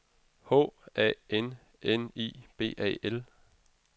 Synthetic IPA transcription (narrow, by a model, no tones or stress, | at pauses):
ho̰ːɛ̰ːen | enḭːb̥e̝̰ːʔɛ̰ːel